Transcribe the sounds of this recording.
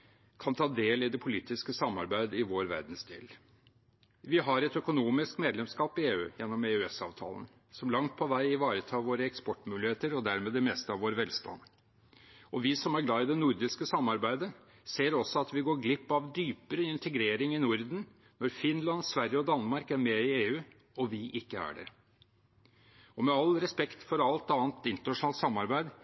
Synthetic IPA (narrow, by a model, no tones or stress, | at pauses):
kʰɑnt̪ʰɑːd̪eːlɪd̪ɛpʰʊliːt̪ɪskəsɑmːɑ̰ɾbæɪd̪ɪʋoːɾʋæ̰ɾd̪n̩sd̪ḛːl | ʋɪɦɑɾɛt̪œkʊnuːmɪskmeːd̪lɛmskɑːpɪeːʉ̰ːjɛnːɔmɛʉɛsɑ̰ːʋt̪ʰɑ̰ːlə̰n | sɔmlɑŋt̪̚pʰɔʋæɪɪʋɑːɾət̪ʰɑːʋoːɾəɛkspɔʈːmʉːlɪheːt̪əɾɔd̪æɾmeːd̪ɛmɛst̪əɑʋoːɾʋɛlst̪ʰɑ̰nd̪ | ɔʋɪsɔmæɾɡlɑːɪd̪ɛnʊɾd̪ɪskəsɑmːɑɾbæɪd̪ə | seːɾɔsːɔɑt̪ʋɪɡoːɾɡlɪpːɑʋd̪yːpəɾəɪnt̪ʰəɡɾeːɾɪŋɪnʊɾd̪n̩ | nɔɾfɪnlɑnsʋæɾjəɔd̪ɑnːmɑɾkæɾmɛɪeːʉː | ɔʋɪʔɪkːəæ̰ɖɛ̰ | ɔmɛɑlɾɛspɛkt̪fɔɾɑlt̪ɑːnt̪ɪnt̪əɾnɑʂʊnɑlt̪sɑmːɑɾbæɪd̪